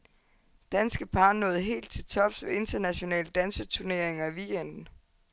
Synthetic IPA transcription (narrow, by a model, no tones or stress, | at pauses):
d̥ænsɡ̥əpʰɑ̈ːnːɔ̽ːð̞̩ˠɦe̝̰ːld̥̚t͡sʰe̝t͡sʰɒ̽fsʋee̝nd̥ɐnæɕo̝nɛ̰ːləd̥ænsət͡sʰuɐne̝ɐe̝ŋɐiʋiɡ̥end̥n̩